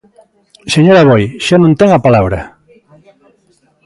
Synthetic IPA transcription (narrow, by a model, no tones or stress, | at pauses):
seɲoɾaβojʃanũnt̪eŋapalaβɾa